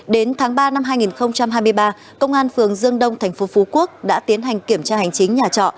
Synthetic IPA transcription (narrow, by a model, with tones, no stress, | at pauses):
ɗe˨˦nt̪ʰaː˨˦ŋɓaː˧na˧mɦaː˧jŋi˨˩nxə˧wŋ͡mt͡ɕa˧mhaː˧jmɨ˧jɓaː˧ | kə˧wŋ͡mʔaː˧nfɨ˨˩əŋzɨ˧əŋɗə˧wŋ͡mt̪ʰɛ˨˩jŋ̟fo˨˦fo˨˦ku˦˥ək̚ɗa̰ː˧˥t̪i˨˦ənɦa˨˩ŋ̟ki˧˩əmt͡ɕaː˧ha˨˩jŋ̟t͡ɕï˨˦ŋ̟ɲaː˨˩t͡ɕɔ̰˧˨